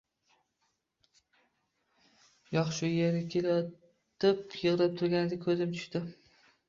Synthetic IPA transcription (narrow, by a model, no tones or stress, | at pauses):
jɒχʃʊjeɾʲkʲʰelajɒt̪ʰ | ɪpjɨʁlap̚t̪ʰʊɾɡʲanɪd̪akʰɵzɪmt͡ʃ̪ʰʊ̥ʃt̪ɪ